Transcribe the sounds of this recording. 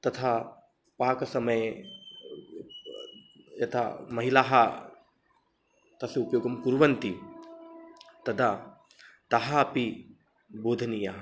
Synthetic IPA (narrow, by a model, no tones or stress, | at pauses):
t̪ɐt̪ʰa | paːkɐsɐmɐje | jɐt̪ʰa̰mɐɦilaːɦɐ | t̪ɐsupjoːɡɐmkuɾʋɐnt̪i | t̪ɐd̪a | t̪ɐɦɐɐpi | boːd̪ʱɐnijaɦɐ